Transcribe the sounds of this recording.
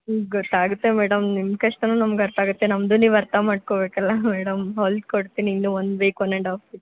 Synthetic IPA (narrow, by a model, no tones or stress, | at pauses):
ɡɔt̪ːaːɡut̪ːe̞meːɽɐmnimkɐʂʈɐnuːnɐmɡɐɾt̪aːɡut̪ːenɐmd̪uːniːʋɐɾt̪ɐmaːɖ̚kobeːkɐlːɐmɛːɽɐmɦoːld̪̚koɽt̪iniːnːuond̪ʋeːkʋɐnːɐɳɖaːfis